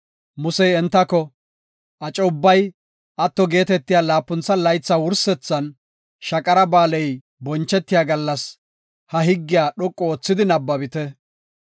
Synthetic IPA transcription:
mʊsɛjɛnt̪ːɐkɔ | ʔɐt͡ʃʼɔʊbːɐj | ʔɐt̪ːɔɡe̞ːt̪ɛt̪ːɪjaːlaːpːʊnt͡sːɐlɐjt͡sːawʊɾsɛt͡sːɐn | ʃɐkʼɐɾɐbaːlɛj | bɔnt͡ʃːɛt̪ːɪjaːɡɐlːɐs | hɐɦɪɡːɪjaːɗɔkʼːɔoːt͡sːɪd̪ɪnɐbːɐbɪt̪ɛ

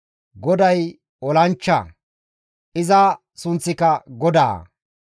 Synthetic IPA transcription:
ɡɔd̪ɐj | ɔlɐnt͡ʃːɐ̰ | ʔɪzɐ | sʊnt͡sːɪkɐɡɔd̪a̰ː

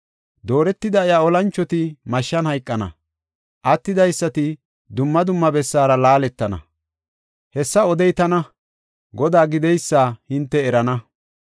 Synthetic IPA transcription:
d̪o̞ːɾɛt̪ːɪd̪ɐjaːɔlɐnt͡ʃːɔt̪ɪmɐʃːɐnhɐjkʼːɐnɐ̰ | ʔɐt̪ːɪd̪ɐjsːɐt̪ɪ | d̪ʊmːɐd̪ʊmːɐbɛsːaːɾɐlaːlɛt̪ːɐnɐ̰ | hɛsːɐɔd̪ɛjt̪ɐnɐ | ɡɔd̪aːɡɪd̪ɛjsːaːhɪnt̪ːɛɛɾɐnɐ

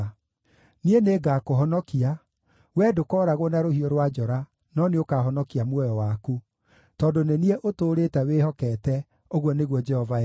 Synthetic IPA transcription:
nieneɡakoɦɔnɔkia | wɛːdokɔɾaɣwɔnaɾohiɔɾwad͡ʒɔɾa | nɔneokaɦɔnɔkiamwɔjɔwaku | tɔndonenieʔotoːɾetɛwehɔkɛːtɛ | oɣwɔneɣwɔd͡ʒɛhɔva

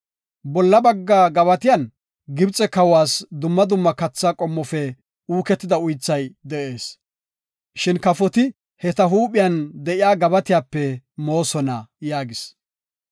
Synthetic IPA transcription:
bɔlːɐbɐɡːaːɡɐβɐt̪ɪjɐn | ɡɪbt͡sʼɛkɐwaːsd̪ʊmːɐd̪ʊmːɐkɐt͡sːaːkʼɔmːɔfɛ | uːkɛt̪ːɪd̪ɐʊjt͡sːɐjd̪ɛʔeːs | ʃɪnkɐfɔt̪ɪ | hɛt̪ɐɦuːpʼɪjɐnd̪ɛʔɪjaːɡɐbɐt̪ɪjaːpːɛmo̞ːsɔnɐjaːɡɪs

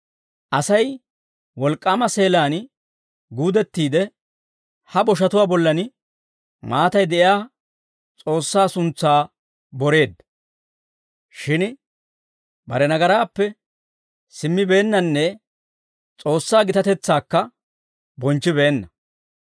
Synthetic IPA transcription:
ʔɐsɐj | wɔlkʼːaːmɐse̞ːlaːn | ɡuːd̪ɛt̪ːiːd̪ɛ | hɐbɔʃ̬ɐt̪ʊwaːbɔlːɐn | maːt̪ɐjd̪ɛʔɪjaː | t͡sʼo̞ːsːaːsʊnt͡sːaː | bɔɾe̞ːd̪ | ʃɪn | bɐ̰ɾɛnɐɡɐɾaːpːɛ | sɪmːɪbe̞ːnːɐnːɛ | t͡sʼo̞ːsːaːɡɪt̪ɐt̪ɛt͡sːaːkːɐ | bɔnt͡ʃːɪbe̞ːnːɐ

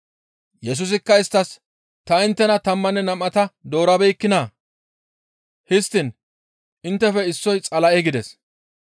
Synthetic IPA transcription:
jɛs̬ʊs̬ɪkːɐɪst̪ːɐs | t̪ɐɪnt̪ːɛnɐt̪ɐmːɐnːɛnɐmʔɐt̪ɐd̪o̞ːɾɐbɛjkːɪnaː | hɪst̪ːɪn | ʔɪnt̪ːɛfɛɪsːɔjt͡sʼɐlɐʔɛɡɪd̪ɛs

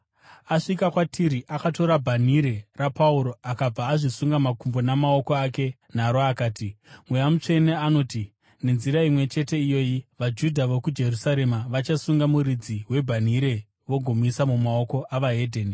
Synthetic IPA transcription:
aʂikakwatʰiɾiʔakato̞ɾabʱaniɾe̞rapauɾo̞akab͡vaːʐisuŋɡamakumbo̞namaoko̞ake̞ | n̤aɾoakaːtimwejamut͡ʂe̞neano̞ːti | ne̞nziɾaimwe̞t͡ʃe̞te̞ijo̞ːjiʋad͡ʒudʱaʋokud͡ʒe̞rusaɾe̞maʋat͡ʃasuŋɡamuɾid͡ziɦwe̞bʱaniɾe̞ | ʋo̞ɡʱo̞misamumao̞ko̞ʔaʋaɦe̞dʱeːni

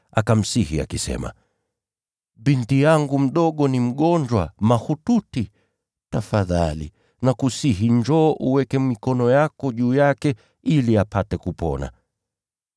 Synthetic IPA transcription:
akam̩sihia̰kisɛ̰ma̰ | ɓintijaŋɡum̩ɗɔɠɔnim̩ɠɔɲd͡ʒwamahututi | tafaðalḭ | nakusiɦiɲd͡ʒɔːʔuwɛkɛmikɔnɔjakɔʄuːjakɛ | iliapatɛkupɔ̰na̰

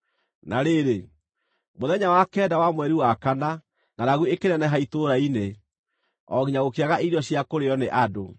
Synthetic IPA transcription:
naɾeɾe | moðɛɲawakɛːdawamwɛɾiwakana | nanaɣuekenɛnɛɦaitoɾaine | ɔɣiɲaɣokeaɣaʔeiɾɔɕiakoɾeɔneʔado

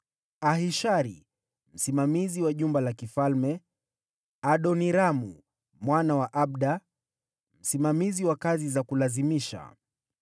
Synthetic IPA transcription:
aɦiʃaɾḭ | m̩simamiziwaʄumbalakifalmɛ | aɗɔniɾamṵ | mwanawaʔaɓ̚ɗa | m̩simamiziwakazizakulazimiʃa̰

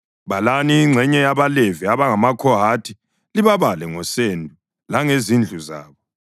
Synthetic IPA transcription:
βalaniːŋ͡ǀʱɛɲɛjaβaleviaβaŋamakʰɔɦatʰi | liβaβalɛŋɔsendʱu | laŋezind͡ɮʱuza̰ːβɔ

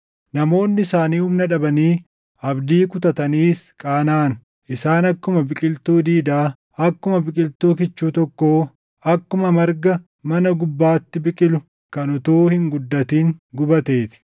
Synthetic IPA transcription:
nɐmo̞ːnːɪsaːniːhʊmnɐᶑɐbɐniː | ɐbd̪iːkʊt̪ɐt̪ɐniːskʼaːnaːn | ʔɪsaːnɐkːʊmɐbɪkʼɪlt̪uːd̪iːd̪aː | ɐkːʊmɐbɪkʼɪlt̪uːk̬ɪt͡ʃːuːt̪ɔkːo̞ː | ɐkːʊmɐmɐɾɡɐ | mɐnɐɡʊbːaːt̪ːɪbɪkʼɪlʊ | kɐnʊt̪uːhɪŋɡʊd̪ːɐt̪iːŋɡʊbɐt̪e̞ːt̪ɪ̥

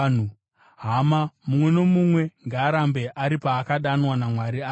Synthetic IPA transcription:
n̤u | ɦamamumwe̞no̞mumwe̞ŋɡaːɾambe̞ʔaɾipaːkaɗanwanamwaɾia

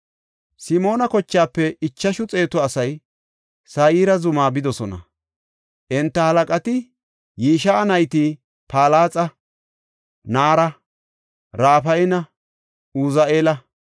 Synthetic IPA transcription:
sɪmo̞ːnɐkɔt͡ʃːaːpːɛɪt͡ʃːɐʃʊt͡sʼe̞ːt̪ɔɐsɐj | sɐjiːɾɐzʊmaːbɪd̪ɔsɔnɐ̰ | ʔɛnt̪ːɐhɐlɐkʼɐt̪ɪ | jiːʃɐːnɐjt̪ɪ | paːlaːt͡sʼɐ | naːɾɐ | ɾaːfɐjɪnɐ | uzaeːlɐ

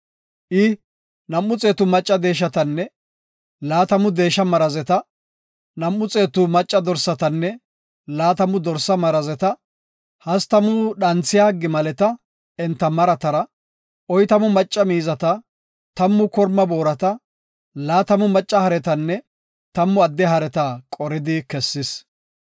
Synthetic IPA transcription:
ʔɪ | nɐmːʊt͡sʼe̞ːt̪ʊmɐt͡ʃʼːɐd̪e̞ːʃ̬ɐt̪ɐnːɛ | laːt̪ɐmʊd̪e̞ːʃɐmɐɾɐzɛt̪ɐ | nɐmːʊt͡sʼe̞ːt̪ʊmɐt͡ʃʼːɐd̪ɔɾsɐt̪ɐnːɛ | laːt̪ɐmʊd̪ɔɾsɐmɐɾɐzɛt̪ɐ | hɐst̪ɐmʊɗɐnt͡sːɪjaːɡɪmɐlɛt̪ɐ | ɛnt̪ːɐmɐɾɐt̪ɐɾɐ | ʔɔjt̪ɐmʊmɐt͡ʃʼːɐmiːzɐt̪ɐ | t̪ɐmːʊkɔɾmːɐbo̞ːɾɐt̪ɐ | laːt̪ɐmʊmɐt͡ʃʼːɐhɐɾɛt̪ɐnːɛ | t̪ɐmːʊɐd̪ːɛɦɐɾɛt̪ɐkʼɔɾɪd̪ɪkɛsːɪs

